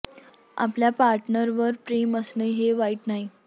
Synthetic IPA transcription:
a̰pljapaɾʈnəɾʋəɾpɾeməsɳeɦeʋaiʈnaɦi

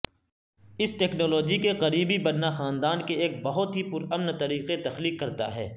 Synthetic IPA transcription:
ɪsʈɛːknoːloːd͡ʒikeqɐɾiːbibɐnːaxaːnd̪aːnkeeːk̚bɐɦʊt̪ɦipʊɾɐmnt̪ɐɾiːqet̪ɐxliːqːɐɾt̪aɦɛ̰ː

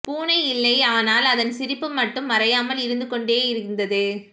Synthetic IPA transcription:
puːnɐɪɪlːɐɪaːnaːlɐðɐnsɪɾɪpːɯmːɐʈːɯmːɐɾɐjaːmɐlɪɾɯnd̪ɯkɔɳɖeːjɪɾɯnd̪ɐðɯ

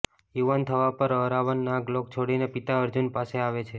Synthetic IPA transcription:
juʋant̪ʰəʋapəɾəɦɾaʋənːãɡlokt͡ʃʰoɽinepit̪aəɾd͡ʒunpaseaʋet͡ʃʰe

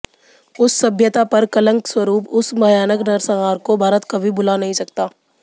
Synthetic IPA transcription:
ʊsːɐbʱjət̪apɐɾkɐlə̃ŋkswɐɾuːpʊsbʱɐjaːnəknɐɾsəɦaːɾkobʱaːɾət̪kɐbʱibʊlanɐɦĩsɐkt̪aː

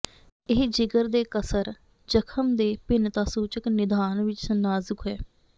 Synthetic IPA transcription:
ɪɦd͡ʒɪɡəɾd̪eːkəsəɾ | d͡ʒəkʰəmd̪eːpɪnt̪aːsuːt͡ʃəknɪd̪aːnʋɪt͡ʃnaːzəkɦɛː

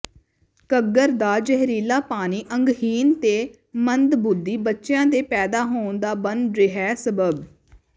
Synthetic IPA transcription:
kəɡəɾd̪aːd͡ʒəɦɾiːlaːpaːniːʔəŋɡɦiːnt̪eː | mənd̪bʊd̪ːiːbətːʃjãːd̪eːpɛːd̪aːɦoːnd̪aːbənɾɪɦɛːsəbəb

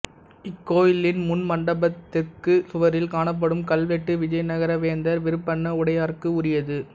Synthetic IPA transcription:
ɪkːoːjɪlːɪnmʊnmɐɳɖɐbɐt̪ːɯkːɯsʊʋɐɾɪlkaːɳɐp̬ːɐɽɯmkɐlʋɛʈːɯʋɪd͡ʒɐjɐnɐɣɐɾɐʋeːnd̪ɐɾʋɪɾɯpːɐnːɐʊɽɐjaːɾkɯʊɾɪjɐðɯ

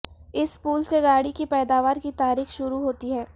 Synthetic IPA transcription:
ɪspuːlseɡaːɽikipɛːd̪aːʋaːɾkit̪aːɾiːxʃʊɾuɦoːt̪iɦɛː

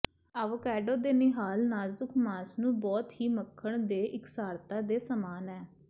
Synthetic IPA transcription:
aːʋoːkɛːɖoːd̪eːnɪɦaːlnaːzʊkʰmaːsnũːbɔːt̪hiːməkʰːəɳd̪eːʔɪksaːɾt̪ãːd̪eːsəmaːnɛː

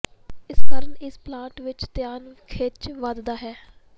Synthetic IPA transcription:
ɪskaːɾəɳɪsplãːʈʋɪt͡ʃt̪ɪjaːn | kʰeːt͡ʃʋəd̪d̪aːɦɛː

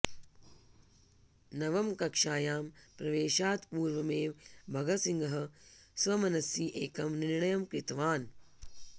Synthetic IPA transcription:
nɐʋɐmkɐkʂaːjaːmpɾɐʋeːʃaːt̪puːɾʋɐmeːbʱɐɡɐsiŋɡɐɦɐsʋɐmɐnɐsiʔeːkɐmniɾɳɐjɐmkɾɪt̪ʋaːn

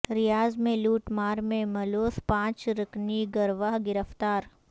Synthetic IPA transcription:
ɾɪjaːzmẽluːʈmaːɾmẽmɐloːspãːt͡ʃɾəkniɡɐɾʋaːɦɡɪɾəft̪aːɾ

